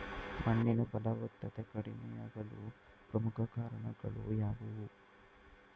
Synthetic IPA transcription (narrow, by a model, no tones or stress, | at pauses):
mʔɐɳːinɐpɐd̪aːʋɐt̪ːɐt̪ekɐɽinɐjaːɡɐlu | pɾɐmukʰɐkaːɾɐɳɐɡɐɭṵjaːɡuʋu